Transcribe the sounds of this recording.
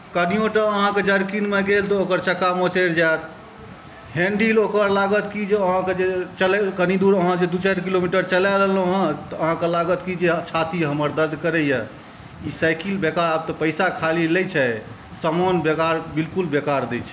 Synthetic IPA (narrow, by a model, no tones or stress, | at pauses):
kənijoʈəəɦãked͡ʒəɾkinmeɡelt̪ɔokəɾt͡ʃəkːamõt͡ʃəɾd͡ʒat̪̚ | ɦẽɳɖilokəɾlaɡət̪kid͡ʒeəɦãked͡ʒet͡ʃəlkənid̪uɾəɦãd͡ʒed̪ut͡ʃaɾkilomiʈəɾt͡ʃəlaləloɦə̃t̪ɔəɦãkelaɡət̪kid͡ʒet͡ʃʰat̪iɦəməɾd̪əɾd̪ʱkəɾɛjɛ | isajkilbekaɾab̚t̪ɔpəɪsakʰalilɛjt͡ʃʰɛ | səmanbekaɾbilkulbekaɾd̪ɛt͡ʃʰɛ